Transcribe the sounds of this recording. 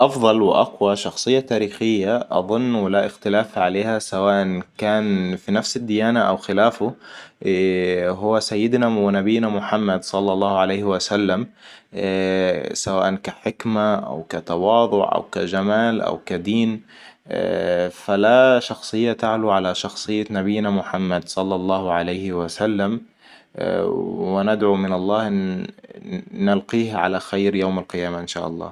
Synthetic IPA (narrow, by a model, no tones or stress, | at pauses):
ʔɑfðˤɑlwɪʔɑ̰qwaʃɑxsˤɨjːat̪aːɾiːxɪjːaʔɑ̰ðˤʊnːwɪlaʔɪxt̪ɪlaːfʕaleːhasawaːʔankaːnfinafsɪd̪ːɪjaːnaʔawxɪlaːfʊ | ɦʊwːasajːɪd̪nawɪnabɪːnamʊħamːad̪sˤɑlːɑlˤːɑːhʕalajhɪwasalːam | sawaːʔankaħɪkmaʔa̰wkat̪ɑwɑːðˤʊʕʔa̰wkad͡ʒamaːlʔa̰wkad̪iːn | falaʃɑxsˤɨjːat̪aʕluʕalaʃɑxsˤɨjːanabɪjːnamʊħamːad̪sˤɑlːɑlˤːɑːhʊʕalajhɪwasalːam̰ | wɪnɪd̪ʕumɪnɑlˤːɑːhn | alqiːhʕa̰laxajɾjawmalqɨjaːmaʔɪnʃaːʔɑlˤːɑ̰ː